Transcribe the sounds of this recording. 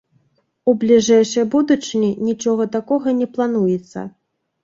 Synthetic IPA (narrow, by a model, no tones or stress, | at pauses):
ublʲiʐɛjʂɐjbud̪ut͡ʂɨnʲinʲit͡ʂɔɣɐt̪akɔɣɐnʲɛplˠan̪ujɛt̪sːɐ̰